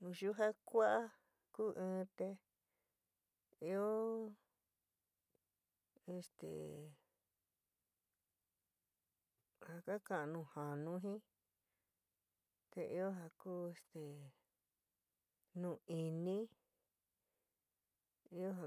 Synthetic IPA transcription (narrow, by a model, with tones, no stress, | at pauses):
nũ˧ʃu˦ɦa˦kʷa˦ʔa˦ | kuː˦ʔɨ̃ː˦˧˦t̪e˧ | i˧˦o˦ | e˧st̪ḛ˨ | ha˧ka˦kã˧˨˧nũː˧˨ha˨nũ˦ɦĩ˦ | t̪e˧ʔi˦o˦ɦa˧kuː˦e˧st̪e˨ | nũ˧˨i˨˧nĩ˦ | i˦o˦ɦa˧